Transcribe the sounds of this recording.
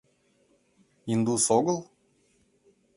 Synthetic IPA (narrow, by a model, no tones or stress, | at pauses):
ind̪usoɡəlˠ